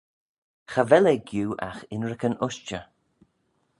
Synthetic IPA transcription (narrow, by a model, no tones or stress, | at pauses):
xavɛlɛɡjuːʔa̰xɪnɹəkənʊʃt͡ʃə